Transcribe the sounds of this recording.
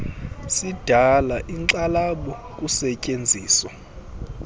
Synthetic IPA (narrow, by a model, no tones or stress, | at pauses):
sid̥ʱalaʔiŋǀalaɓɔk̬ʼusɛcʼend͡zʱiːswa